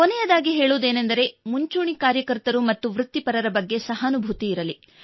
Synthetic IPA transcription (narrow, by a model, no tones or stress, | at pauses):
konɛjɐd̪aːɡiɦeːɭoːd̪e̞ːnend̪ɐɾe̞muɲt͡ʃuːɳikaːɾjɐkɐɾt̪ɐɾumɐt̪ːuʋɾut̪ːipɐɾɐɾɐbɐɡːe̞sɐɦɐnubʱut̪iːɾɐli